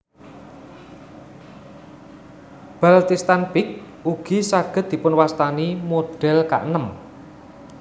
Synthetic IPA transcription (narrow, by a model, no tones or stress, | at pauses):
b̥alt̪ist̪anpɪk̚ | uɡ̥i̤saɡ̥ə̤t̪̚d̪̥i̤pʊnwast̪animoɖ̥ɛ̤lka̰ʔnəm